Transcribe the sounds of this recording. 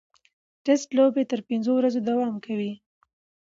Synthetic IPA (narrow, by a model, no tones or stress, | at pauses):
ʈɛsʈlobet̪əɾpɪnzowɾazod̪awɑmkawi